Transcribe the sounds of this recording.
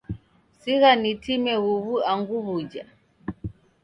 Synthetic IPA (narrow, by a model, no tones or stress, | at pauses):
siɣanitimɛɣuβuaŋɡuβud͡ʒa